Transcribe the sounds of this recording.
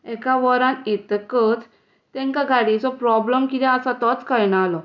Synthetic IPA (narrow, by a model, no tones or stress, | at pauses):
ɛkaʋəɾãnjet̪əkət͡s | t̪ɛ̃ŋkaɡʱaɽit͡sɔpɾɔbləmkit̪ɛ̃əsat̪ɔt͡skəɾɳaalɔ